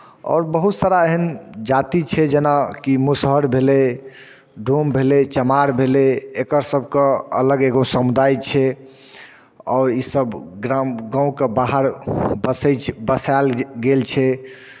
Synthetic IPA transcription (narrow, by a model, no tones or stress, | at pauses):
ɔ̰ːɾbəɦut̪saɾaeɦənd͡ʒat̪it͡ʃʰɛd͡ʒenakimusɦəɾbʱele | ɖʱombʱelet͡ʃəmaɾbʱeleekəɾsəbʱkeə̰ləɡeɡosəmud̪ʱajt͡ʃʰɛ | ɔʊɾisəbɡɾamɡãũkebaɦəɾbəsət͡ʃbəsalɡelt͡ʃʰɛ